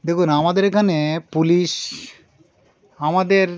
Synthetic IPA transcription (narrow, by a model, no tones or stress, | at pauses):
d̪ekʰunamad̪eɾkʰanepuliʃ | amad̪eɾ